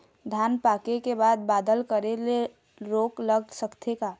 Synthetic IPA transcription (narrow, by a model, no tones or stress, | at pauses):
d̪ʱjaːnpaːkekebaːd̪̚baːd̪əlkəɾele | ɾoːkləɡsəkt̪ʰekaː